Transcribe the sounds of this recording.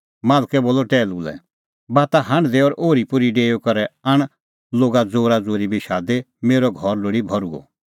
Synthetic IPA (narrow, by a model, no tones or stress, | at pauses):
maːlkɛboːlɔʈɛːlulɛ̰ | baːt̪aɦãɳd̪eɔːɾʔoːɾipʊɾiɖeːjokɐɾɛaɽ̃ | loːɡad͡zoːɾad͡zoːɾibʱiʃaːd̪e | meːɾɔɡʱɔɾloːɽibʱɔɾuɡɔ̰